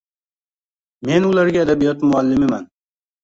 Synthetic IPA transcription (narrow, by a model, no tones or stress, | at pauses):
me̞nʊlaɾɡʲaːd̪abijɒt̪mʊalːɪmɪman